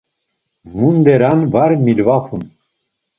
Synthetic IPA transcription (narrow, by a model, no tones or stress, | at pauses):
mund̪ɛɾanvaɾmilvafʰun